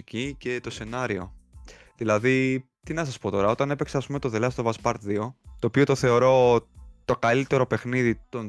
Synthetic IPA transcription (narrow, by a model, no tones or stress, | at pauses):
cice̞t̪o̞se̞nɐɾio̞ | ðilɐði | t̪inɐsɐspo̞t̪o̞ɾɐo̞t̪ɐne̞pe̞kseɐspume̞t̪o̞ðelɐst̪ovɐspɐɾt̪ðio̞t̪o̞ːpio̞t̪oθe̞o̞ɾo̞t̪o̞kɐlit̪e̞ɾo̞pe̞xniðit̪o̞n